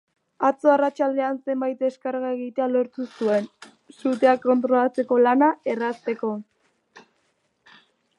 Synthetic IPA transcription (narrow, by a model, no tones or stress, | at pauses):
at͡so̞arat͡ʃald̪e̞anse̞mbajt̪̚d̪e̞skaɾɣae̞ɣ̞it̪ealo̞ɾt̪usue̞n | sut̪̬e̞akːo̞nt̪ɾo̞lat͡se̞ko̞lanae̞rast̪e̞ko̞